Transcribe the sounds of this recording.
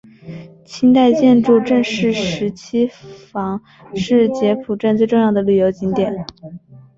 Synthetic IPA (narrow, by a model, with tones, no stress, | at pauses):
t͡ɕʰi˥nt̪a˥˧ɪt͡ɕjɛ˥˧nʈ͡ʂu˥˧ʈ͡ʂə˥˧ŋʂɻ̩˥˩ʂɻ̩˧˥t͡ɕʰi˥fɑ˧˥ŋ | ʂɻ̩˥˩t͡ɕjɛ˧˥pʰu˨˩ʈ͡ʂa˥˧nt͡swe˥˧ɪʈ͡ʂʊ˥˧ŋjɑ˥˩ʊd̪ə˩ly˨˩jo˧˥ʊt͡ɕi˧˥ŋt̪jɛ˨˩˦n